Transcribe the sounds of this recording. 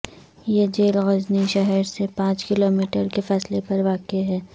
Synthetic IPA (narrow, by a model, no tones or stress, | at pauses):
jed͡ʒeːlɣɐzniʃɛɦəɾsepãːt͡ʃkɪloːmiːʈəɾkefɛːslepɐɾʋaːkeɦɛː